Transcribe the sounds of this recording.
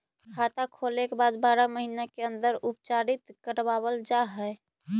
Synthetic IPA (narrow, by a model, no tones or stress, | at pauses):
kʰat̪akʰolekebad̪baɾaməɦinakeənd̪əɾup̚t͡ʃaɾit̪kəɾbabəld͡ʒaɦɛɪ